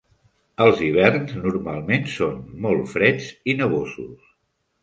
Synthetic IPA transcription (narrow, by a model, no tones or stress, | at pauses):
əlˠziβ̞ɛrnznuɾmalˠmensonmɔlˠfɾɛd͡zinəβozṵs